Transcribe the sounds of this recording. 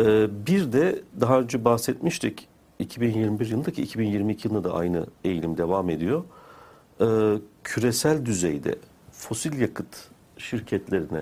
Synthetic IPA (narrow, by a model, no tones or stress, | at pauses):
ɛːbiɾd̪ɛd̪aɦaɯnd͡ʒabahsɛt̪miʃt̪ʰic | icʰibinjiɾmibiɾjɯlˠɯacʰiːcʰibinjiɾmiːcʰijɯad̪a̰ʔa̰jnɯ̰e̞jlʲimd̪e̞vame̞d̪ijo | ɯːcʰyɾesælʲd̪yzejd̪ɛ̰ | fo̞silʲjakʰɯt̪ | ʃiɾcʰɛt̪lʲe̞ɾinɛ̰